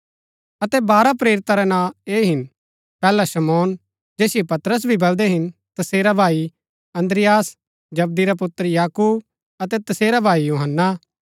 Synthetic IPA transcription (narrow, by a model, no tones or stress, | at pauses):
ɐt̪ɛbaːɾapɾeːɾɪt̪aɾɛnãːeːɦɪn | pɛːlaʃɐmɔːn | d͡ʒeːsɪjepɐt̪ɾəs̬bʱibɐld̪ɛɦɪn | t̪ɐseːɾabʱaːi | ɐ̃nd̪ɾɪjaːs | d͡ʒɐb̚d̪iɾapʊt̪ːəɾjaːkuːb | ɐt̪ɛt̪ɐseːɾabʱaːijuːɦənːa